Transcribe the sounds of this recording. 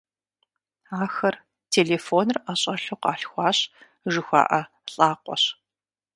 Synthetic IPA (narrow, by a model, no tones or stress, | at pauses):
aːxɐr | tʰeːleːfoːnɨraːɕʼɐɬuqɑːɬxʷɑːɕ | ʒɨxʷɑ̰ːʔɐ | ɬʼaːqʷɔ̰ɕ